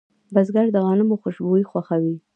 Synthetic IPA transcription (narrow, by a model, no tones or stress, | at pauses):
bazɡaɾd̪əɣɑnɪmoxʊʃboixwaxawi